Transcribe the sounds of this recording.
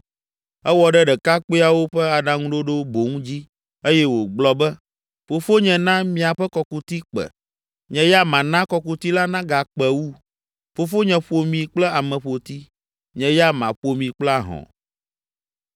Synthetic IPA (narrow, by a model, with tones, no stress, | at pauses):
ɛ˦wɔ˨ɖɛ˦ɖɛ˨ka˦k͡pe˦a˨wo˦ɸɛ˦a˨ɖã˨ŋũ˦ɖo˦ɖo˦bo˨ŋũ˦d͡ʑi˦ | e˦jɛ˦wo˨ɡ͡blɔ˨bɛ˦ | fo˨fo˦ɲɛ̃˨nã˦mĩ˨a˨ɸɛ˦kɔ˨ku˦t̪i˦k͡pɛ̰˨ | ɲɛ̃˨ja˦mã˨nã˦kɔ˨ku˦t̪i˦la˦nã˦ɡa˨k͡pɛ˨wu˦ | fo˨fo˦ɲɛ̃˨ɸo˨mĩ˨k͡plɛ˦a˨mɛ̃˨ɸo˨t̪i˦ | ɲɛ̃˨ja˦mã̰˨ɸo˨mĩ˨k͡plɛ˦a˨ɦɔ̰̃˨